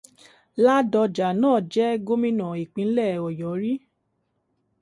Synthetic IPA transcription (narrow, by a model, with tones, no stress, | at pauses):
la˦dɔ˧d͡ʒa˨nãː˦˨d͡ʒɛ˦ɡo˦mĩ˦nã˨i˨k͡pĩ˨˦lɛ˦˨ɔ˨jɔ˨˦ɾi˦